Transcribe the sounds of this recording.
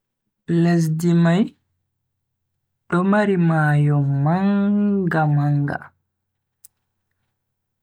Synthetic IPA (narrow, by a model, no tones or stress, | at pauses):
les̬dimaj | ɗɔmaɾimaːjɔmːaŋɡamaŋɡa̰